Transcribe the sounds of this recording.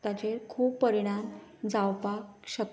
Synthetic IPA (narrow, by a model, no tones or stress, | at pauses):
t̪at͡ɕeɾkʰuːpːəɾiɽ̃amd͡zawpakɕək